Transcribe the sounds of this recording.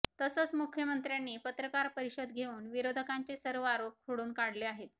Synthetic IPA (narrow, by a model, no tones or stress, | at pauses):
t̪əsət͡smukʰjəmənt̪ɾjanːiːpət̪ɾəkaɾpəɾiɕəd̪ɡʱeuːnʋiɾod̪ʱəkaɲt͡sesəɾʋəaɾop̚kʰoɽuːnkaɽ̤leaɦet̪